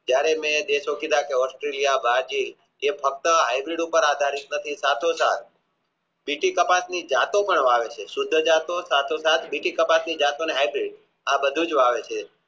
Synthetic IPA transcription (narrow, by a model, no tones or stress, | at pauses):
d͡ʒjaɾemẽd̪eʃokid̪akeɔsʈɾelijabʱad͡ʒi | efək̚t̪əɦajbɾiɖupəɾad̪ʱaɾit̪nət̪ʰisat̪ʰosat̪̚ʰ | biʈikəpasnid͡ʒat̪opəɳʋaʋet͡ʃʰesʊd̪ʱːəd͡ʒat̪osat̪ʰosat̪ʰbiʈikəpasnid͡ʒat̪oneɦajbɾiɖ | abəd̪ʱud͡ʒʋaʋet͡ʃʰe